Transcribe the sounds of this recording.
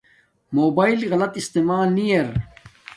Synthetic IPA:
moːbaːjlɣɐlɐt̪ist̪emaːlnijɐɾ

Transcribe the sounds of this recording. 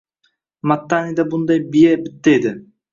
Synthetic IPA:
mat̪ːanid̪abʊnd̪ɑjbijɛbɪt̪ːejd̪ɪ

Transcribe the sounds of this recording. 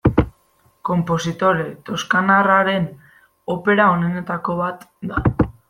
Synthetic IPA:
ko̞mpo̞sit̪o̞ɾe̞t̪o̞skanaraɾe̞n | o̞pe̞ɾaone̞ne̞t̪ako̞β̞at̪d̪a

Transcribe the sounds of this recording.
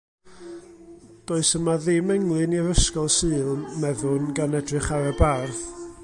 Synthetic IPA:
d̥oːɨsəmaðɪmɛŋlˠɨniəvəskɔlˠsɨːlˠmɛðʊnɡanɛdrɨχaɾəbarθ

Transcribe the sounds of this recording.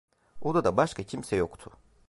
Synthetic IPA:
od̪ad̪abaʃkʰacʰimsɛjo̞kt̪ʰʊ̥

